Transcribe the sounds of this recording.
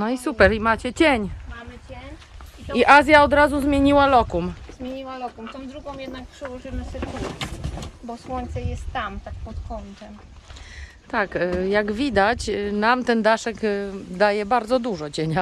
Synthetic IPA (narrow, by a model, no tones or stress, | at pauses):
nɔisupɛɾimat͡ɕɛt͡ɕɛɲmamɘt͡ɕeɲ | iʔazʲjaɔd̪ɾazuzmʲjeɲiwalɔkumzmʲjeɲiwalɔkumt̪ɔ̃w̃d̪ɾuɡɔ̃w̃jɛd̪nak̚pʂɛwɔʐɘmɘɕɛk̪usbɔswɔɲʲt̪sɛjɛst̪ːamt̪ak̚pɔt̪kɔnt̪ɛm | t̪akjaɡvʲid̪at͡ɕnamt̪ɛnd̪aʂɛɡd̪ajɛbaɾd̪zɔd̪uʐɔt͡ɕɛɲa